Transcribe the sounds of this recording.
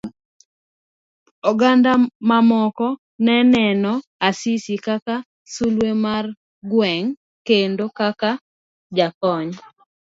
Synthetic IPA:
ɔɡandamamɔkɔ | nɛnɛnɔasisikaka | sulwemar | ɡwɛŋ | kendokaka | d͡ʒakɔɲ

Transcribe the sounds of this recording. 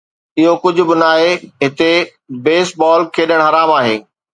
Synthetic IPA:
ɪɦokʊd͡ʑʱʊ̆bɪnaːeɦɪt̪e | beːsbɔːlkʰeːɗəɽ̃ɦɐɾaːmaːɦḛː

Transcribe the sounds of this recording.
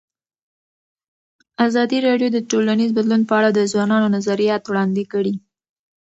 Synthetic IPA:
azɑd̪iɾɑɖjod̪əʈolanizbad̪lunpəaɽad̪əzwɑnɑnonazaɾijɑt̪wɽɑnd̪ɪkəɽi

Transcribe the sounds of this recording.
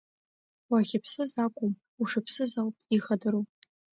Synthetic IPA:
waʁʲɪpʰsɨzaːkʷʼʊm | uʂɨpʰsɨzawpʼiχɐdɨɾu

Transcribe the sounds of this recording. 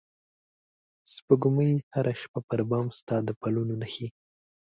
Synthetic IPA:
spəɡʊməjhaɾaʃpapəɾbɑmst̪ɑd̪əpalunonaxi

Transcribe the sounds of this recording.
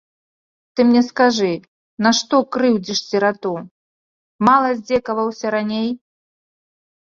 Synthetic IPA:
t̪ɨmnʲɛskaʐɨ | naʂt̪ɔkɾɨwd͡zʲiʂsʲɛɾat̪u | malˠɐzʲd͡zʲɛkɐvɐwsʲɐɾanʲej

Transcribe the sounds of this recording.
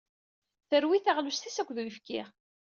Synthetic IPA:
θəɾwiθaʁlust̪isækʷːðujəfkḭʁ

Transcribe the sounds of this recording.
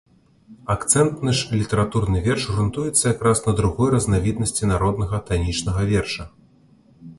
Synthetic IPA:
akt̪sɛnt̪nɨʂlʲit̪ɛɾat̪urnɨvʲɛrʂrɨnt̪ujɛt̪sːɐjakɾasnɐd̪ɾuɣɔjrɐznavʲid̪nɐsʲt͡sʲinaɾɔd̪nɐɣɐt̪anʲit͡ʂnɐɣɐvʲɛrʂɐ

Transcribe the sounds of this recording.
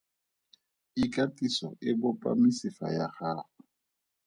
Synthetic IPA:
ikʼatʼisɔ̰ʔɪbʊpʼa̰misifa̰jaχaːʊ

